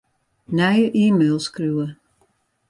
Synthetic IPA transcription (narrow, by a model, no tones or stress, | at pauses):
nɛjəʔiːmelˠskruːə